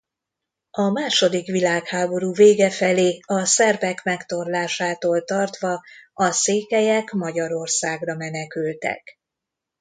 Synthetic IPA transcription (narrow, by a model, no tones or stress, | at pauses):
ɒmaːʃo̞d̪ikʋilaːkhaːbo̞ɾuːveːɡɛfɛleːɒsɛrvɛkmɛkt̪o̞rlaːʃaːt̪oːlt̪ɒrt̪ʋɒɒseːkɛjɛkmɒɟɒɾo̞rsaːɡrɒmɛnɛkylt̪ɛ̰k